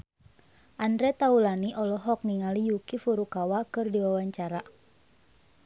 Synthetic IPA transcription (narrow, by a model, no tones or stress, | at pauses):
ʔandɾɛt̪aulaniʔɔlɔɦɔk̚niŋalijukifuɾukawakɨrdiwawaɲt͡ʃaɾa